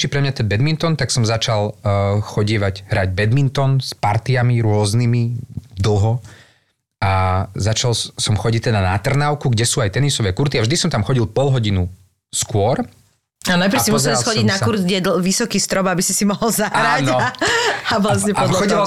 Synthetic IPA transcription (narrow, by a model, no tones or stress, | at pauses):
t͡ʃipɾɛmɲat̪ɛnbɛd̪mint̪ɔnt̪aksɔmzat͡ʃalxɔɟiʋaɟɦɾaɟ̚bɛd̪mint̪ɔnspaɾt̪iamiɾʊɔznimid̪l̩ɦɔ | azat͡ʃalsɔmxɔɟic̚t̪ɛd̪anat̪r̩naʊkuɡɟɛsuːajt̪ɛnisɔʋɛːkuɾt̪iavʒd̪isɔmt̪amxɔɟilˠpɔlɦɔɟinu | skʊɔɾ | anajpɾsimus̬ɛlsxɔɟiɟnaskuɾd̪ɡɛd̪ʋisɔkiːst̪ɾɔbabisisimɔɦɔlzaɦaɾanɔ | aʋlasɲɛpɔɔia